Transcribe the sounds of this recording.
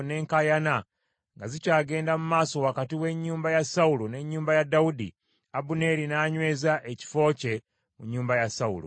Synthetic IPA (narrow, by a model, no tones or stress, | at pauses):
ne̞ːŋkajana | ŋɡazicaːɡe̞ːndamumaːso̞wakatiwe̞ɲːuːmbajasaulone̞ɲːuːmbajadːaudḭ | abune̞ɾinaːɲwe̞ːzaʔeci̥fo̞ːce̞ | muɲːuːmbajasaṵlṵ